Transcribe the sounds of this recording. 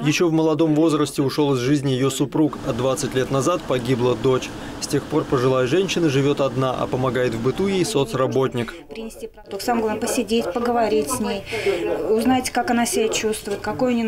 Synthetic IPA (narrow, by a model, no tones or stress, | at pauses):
jɪɕːo̞vməlˠɐd̪o̞mvo̞zrəsʲtʲɪʊʂo̞lˠɨzʐɨzʲnʲɪjɪjo̞sʊpɾukɐd̪vat̪sɨtʲlʲet̪nɐzat̪̚pɐɡʲiblˠəd̪o̞t͡ɕ | sʲtʲe̞xpo̞rpəʐɨlˠajəʐɛnʲɕːɪnəʐɨvʲo̞t̪ɐd̪naʔɐ̰pəmɐɡajɪt̪vbɨt̪ujejso̞t̪srɐbo̞tʲnʲɪkpɾʲɪnʲɪsʲtʲipɐt̪oksamɡlˠpəsʲɪdʲetʲpəɡəvɐɾʲitʲsʲnʲejʊznajtʲkakɐnasʲɪbʲat͡ɕust̪vʊjɪt̪ʲkɐkojnʲɪ